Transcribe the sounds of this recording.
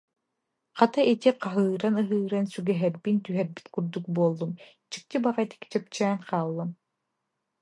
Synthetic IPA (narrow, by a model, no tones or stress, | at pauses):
qat̪aʔit̪iqaɦɯːɾanɯɦɯːɾansyɡɛɦɛɾbint̪yɦɛɾbi̥t̪kuɾd̪uk̚buɔlˠːum | t͡ɕi̥k̚t̪ibaʁaɛt̪i̥ki̥t͡ɕœp̚t͡ɕɛːnqaːlˠːɯm